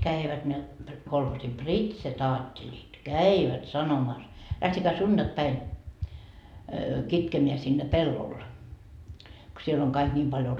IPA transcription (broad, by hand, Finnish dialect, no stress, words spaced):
kæiʋæt ne kolhoːsi pritsetɑːtːelʲit kæiʋæt sɑnomɑs læhtekæː sund̥ɑkpæin kitkemeæ sinːe pelːol ko siel oŋ kɑik nʲiːm pɑljo